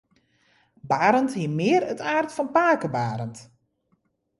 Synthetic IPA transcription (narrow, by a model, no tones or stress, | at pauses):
baːɾənthiəmɪərətʰaːrtfɔnpaːkəbaːɾənt